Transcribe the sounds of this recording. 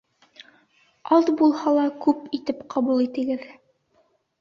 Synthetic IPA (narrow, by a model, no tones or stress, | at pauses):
ɑðbulˠhɑlˠɑkʉpit̪ɘpqɑbulˠit̪ɘ̆ɡɘð